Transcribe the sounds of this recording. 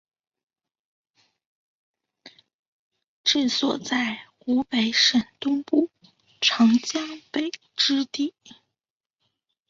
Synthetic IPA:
ʈ͡ʂɻ̩˥˩swɔ̰˨˩t͡sa˥˩ɪxu˧˥pe˧˥ɪʂə˨˩nt̪ʊ˥ŋpu˥˩ | ʈ͡ʂʰɑ˧˥ŋt͡ɕjɑ˥ŋpe˨˩ɪ | ʈ͡ʂɻ̩˥t̪i˥˩

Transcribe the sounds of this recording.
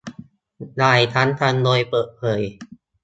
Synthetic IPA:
daː˧˩jt̪ʰa˦˥nt̪ʰa˧ndoː˧jpɤː˨˩t̪̚pʰɤː˨˩j

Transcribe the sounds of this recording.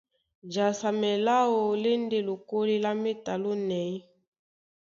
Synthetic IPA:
d͡ʒa˨sa˨mɛ˨la˦o˨le˦n˦de˦lo˨ko˦li˦la˦me˦ta˨lo˦nɛ˨i˦

